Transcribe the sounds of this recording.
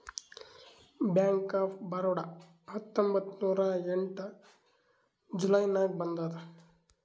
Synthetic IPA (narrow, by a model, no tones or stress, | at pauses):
bjaːŋkaːpʰbɐɾoɽɐ | hɐt̪ːombɐt̪ːnuːɾɐeɳʈɐ | d͡ʒulɐjnaːɡ̚bɐnd̪aːd̪ɐ